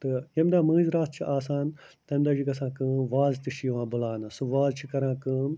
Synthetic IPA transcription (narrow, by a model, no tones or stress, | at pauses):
t̪ɨjɐmd̪aːmɐ̃ːzɾaːt̪ʰt͡ʃʰiʔaːsaːn | t̪ɐmd̪aːd͡ʒikɐsãːkɨːʋaːzt̪ɨʃijʋãːbɐlaːnasuʋaːlt͡ʃʰikɐɾãːkɨːn